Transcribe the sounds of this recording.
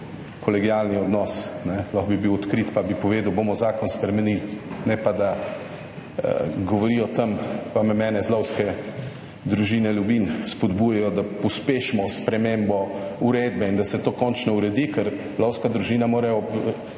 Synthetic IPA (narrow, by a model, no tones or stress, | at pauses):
kɔlɛɡijaːlniɔd̪nɔsnɛlɔxbibiwɔt̪kɾiːt̪pabipɔʋeːd̪wbomɔzaːkɔnspɾɛmɛnilnɛpad̪a | ɡɔʋɔɾiːjɔt̪əmpamɛmɛːnɛzlɔwskɛ | d̪ɾuʒiːnɛljubinspɔd̪bujajɔd̪apɔspeʃmɔspɾɛmembɔuɾeːd̪bɛind̪asɛt̪oːkɔnt͡ʃnɔuɾɛd̪ikɛɾzlɔwskad̪ɾuʒiːnamoːɾɛɔb